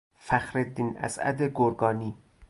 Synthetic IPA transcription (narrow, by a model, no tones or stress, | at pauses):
fæxɾed̪ːinæ̰sæ̰d̪eɡoɾɡɒːniː